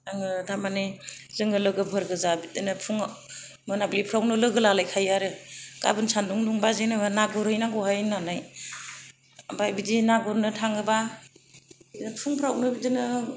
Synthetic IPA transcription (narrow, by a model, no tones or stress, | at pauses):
aŋɯtʰamanɯ | zɯŋɡɯlɯɡɯbʰʱɯɾɡɯzabitɯnɯpʰuŋ | mɯnablipʰɾawnɯlɯɡɯlalajkʰajaɾɯɡ̥a̰bɯnsanduŋduŋbazenɯnaɡɔɾhɯjnaɡɔɦajnanaj | bajbidinaɡɔɾnɯtʰaŋɡɯba | npʰuŋpʰɾawnɯbidɯnɯ